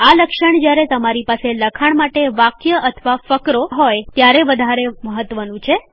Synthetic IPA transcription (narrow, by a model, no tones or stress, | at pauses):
aləkʃəɳ̃d͡ʒjaɾet̪əmaɾipaseləkʰaɳmaʈeʋakjəʔət̪ʰʋafəkɾoɦojt̪jaɾeʋəd̪ʱaɾeməɦət̪ʋənũt͡ʃʰe